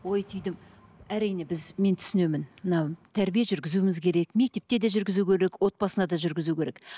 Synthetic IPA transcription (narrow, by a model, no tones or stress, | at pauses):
o̞jt̪ʰʏjd̪ɪm | æɾijne̞bɪzme̞nt̪ʰʏ̥sɪne̞mɪnmənɑt̪ʰæɾbijeʒʏɾɡʲɪzuɪmɪzkʲʰe̞ɾe̞kme̞k̚t̪e̞p̚t̪e̞d̪eʒʏɾɡʲɪzukʲʰe̞ɾe̞kwo̞t̪̚pɑsənɑd̪ɑʒʏɾɡʲɪzukʲe̞ɾe̞k